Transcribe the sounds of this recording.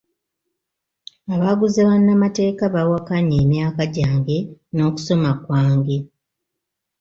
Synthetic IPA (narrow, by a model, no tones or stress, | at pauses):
aβaɡuzeβanːamate̞ːkaβawakaɲeːmjaːkaɟaːŋɡe̞no̞ːku̥so̞makwaːŋɡe̞